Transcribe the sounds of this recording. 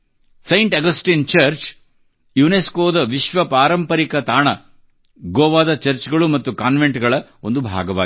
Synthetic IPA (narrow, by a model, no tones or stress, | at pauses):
sɐjɳʈɐɡɐsʈiːnt͡ʃɐɾt͡ʃ | juneskoːd̪ɐʋiʃʋɐpaːɾɐmpɐɾikɐt̪aːɳɐ | ɡoːʋaːd̪ɐt͡ʃɐɾt͡ʃɡɐɭumɐt̪ːukaːnʋeɳʈɡɐɭɐo̞̰nd̪ubʱa̰ːɡɐʋa̰ː